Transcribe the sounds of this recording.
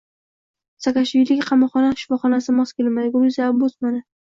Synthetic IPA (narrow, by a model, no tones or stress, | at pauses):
sakʲaʃvilɪkʲqʰɑmɒχɒnaʃɪ̥fɒχɒnasɪmɒskʲelmad̪ɪɡʲuɾuzaːbosmana